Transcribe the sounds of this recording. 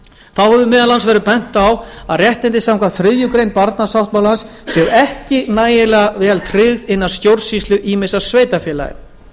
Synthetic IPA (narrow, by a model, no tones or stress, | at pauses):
θawhɛvʏmɛːðalansvɛːɾʏpɛn̥t̪awaðrjɛht̪ɪnt̪ɪsawŋkvaθɾɪðjʏkɾejnpaɾt̪nasawht̪̚malansːjɛðɛhcɪnaːjɪlɛɣavɛːalt̪ʰrɪɣðɪnːaðst̪jowɾsist̪ʏʔiːmɪsḁsveːjt̪afjɛːla̰jɪ̰